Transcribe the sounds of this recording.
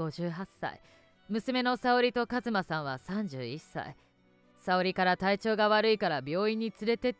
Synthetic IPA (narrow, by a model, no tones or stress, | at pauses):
o̞ʑɨːɦasːa̰ḭ | mɯ̟sɨme̞no̞sao̞ɾʲit̪o̞kazɨmasãɰ̃βasãɲ̟d͡ʑɨːisa̰ḭ | sao̞ɾʲikaɾat̪ait͡ɕo̞ːɡaβaɾɯ̟ikaɾabʲo̞ːiɲ̟ːit͡sɨɾe̞t̪e̞